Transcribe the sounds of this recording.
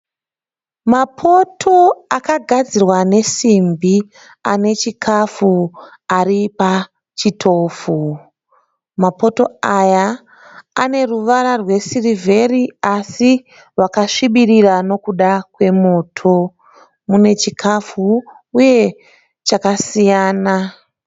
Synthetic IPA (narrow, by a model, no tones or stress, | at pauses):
mapʰo̞tʰo̞akaɡʱad͡zirwane̞simbi | ane̞t͡ʃikʰafu | aripa | t͡ʃitʰo̞ːfu | mapo̞to̞aja | ane̞ruʋaɾarwe̞sirivʱe̞riasi | ʋakaʂiɓirirano̞kuɗakwe̞mo̞ːtʰo̞ | mune̞t͡ʃikʰafuː | je̞ | t͡ʃakasijaːna